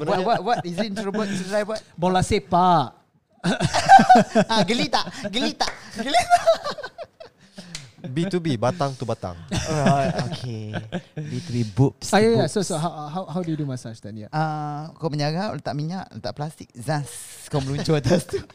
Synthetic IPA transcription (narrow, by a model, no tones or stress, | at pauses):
əwawawatizntɾəbət̪̚sədlajwat̪̚bolasepaʔ | aɡəlit̪aʔɡəlit̪aʔɡəlia | bit̪ubibat̪aŋt̪ubat̪a̰ŋaokʰe | bit̪ɾibupsajajasosoɦawaɦawɦawdujudumãsaʃt̪ãnja̰akaməɲaɡao̰lt̪aʔmiɲaʔlt̪aʔplast̪ik̚zãskawməlut͡ʃɔt̪ast̪u